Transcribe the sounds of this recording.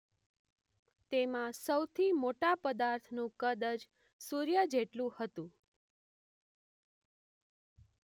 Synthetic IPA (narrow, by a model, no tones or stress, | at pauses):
t̪emãsəwt̪ʰimoʈapəd̪aɾt̪ʰnũkəd̪əd͡ʒ | suɾjəd͡ʒeʈlũhət̪ũ